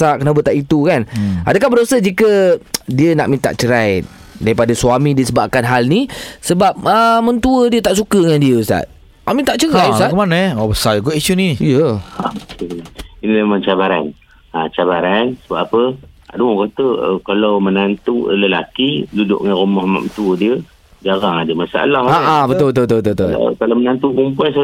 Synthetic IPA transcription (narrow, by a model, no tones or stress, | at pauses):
aʔkənabət̪aʔit̪ukana̰dəkahbədosəd͡ʒikədiənaʔmint̪a̰ʔt͡ʃəɾaj | daɾipadasuamidiəsəbaʔ̚kanɦalnisəbap̚əmə̃nt̪uədiət̪aʔsukədəŋandiəusa̰t̪̚ | a̰ʔmĩnt̪aʔt͡ʃəɾajuat̪kəmanaɔbəsaiɡɔʔiʃuniijəa | inilamant͡ʃabaɾa̰n | at͡ʃabaɾansəbap̚apə | a̰ʔduɔkat̪əə̰kalawmənant̪ṵləla̰kidudʊ̰ʔŋanrumɔhma̰ʔ̪̚mənt̪uədiə | d͡ʒaɾaŋadəmasaa̰lahaabət̪ot̪ot̪obət̪ot̪o̰kalamənant̪ukumpuansa